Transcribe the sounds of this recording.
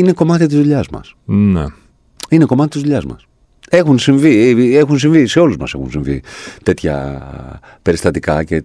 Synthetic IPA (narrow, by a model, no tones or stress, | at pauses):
ine̞ko̞mɐt̪it̪izðuʎɐzmɐ̰sne | ine̞ko̞mɐt̪it̪izðuʎɐzmɐ̰s | e̞xunsiɱviexuns̬iɱvise̞o̞luzmɐ̰se̞̰xunsiɱvḭt̪e̞t̪çɐ̰ | pe̞ɾist̪ɐt̪ikɐce